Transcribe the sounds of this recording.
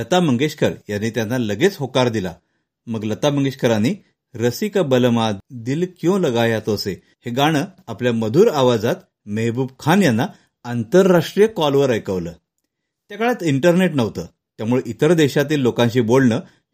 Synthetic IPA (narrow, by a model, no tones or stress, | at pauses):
lət̪aməŋɡeɕkʰəɾjanːiːt̪janːaləɡet͡sɦokaɾd̪ila̰ | məɡlət̪aməŋɡeɕkʰəɾaniː | ɾəsikəbələmad̪iːlkjõləɡajat̪ose | heɡaɽ̃əːapljaməd̪ʱuːɾaʋad͡zat̪ | meɦbuːb̚kʰanjanːa | ant̪əɾːaʂʈɾijəkɔlʋəɾəjkəʋləː | t̪jakəɭjat̪iɳʈəɾneʈnəʋt̪əː | t̪jamuɭeʔit̪əɾd̪eɕat̪iːlːokãnɕiːbolnəː